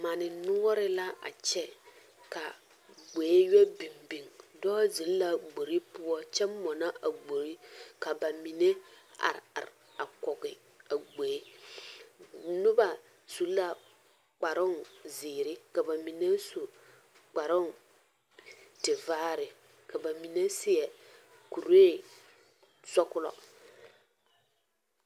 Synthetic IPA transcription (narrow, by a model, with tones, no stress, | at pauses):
ma˨nɪ˨nʊ˦ɔ˦ɾɪ˦la˦ʔa̰˨t͡ʃɛ˦ | ka˨ | ɡ͡be˨˦jɛ˦bi˨mbi˨ŋdɔː˦zi˨˦lla˨ɡ͡bo˨ɾi˦pʊ˦ɔ˦t͡ʃɛ˦mmːɔ˨na˦ʔa˨ɡ͡bo˨ɾi˦ka˨ba˨mi˨ne˦a̰˨ɾa̰˨ɾ | a˨kɔ˨ɡɪ˨ | a˨ɡ͡be˨˦ | nʊ˦ba˨ | su˨˦la˦ | k͡pa˨ɾɔ˦nziː˨ɾɪ˦ka˨ba˨mi˨ne˦su˨ | k͡pa˨ɾɔ˦n | tɪ˨vaː˦ɾɪ˨ | ka˨ba˨mi˨ne˦sɪ˦ɛ˨ | ku˨ɾe˦˨ | sɔ˦kʊ˦lɔ̰˨